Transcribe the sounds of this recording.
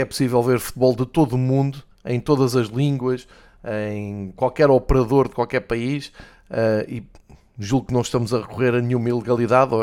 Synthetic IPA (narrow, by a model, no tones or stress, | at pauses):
ɛpu̥sivɛlˠveɾfu̥t̪̚βɔlˠd̪ɨt̪oðumũnd̪u | ɐ̃j̃t̪oðɐzɐʒlˠĩŋɡwɐʃ | ɐ̃j̃kwalˠkɛɾɔpɨɾɐðoɾðɨkwalˠkɛɾpɐiʃ | ɛi | ʒulˠuknɐ̃w̃ʃt̪ɐmuzɐʁɨkuʁeɾɐnɲumɐilˠɨɣɐlˠiðaðo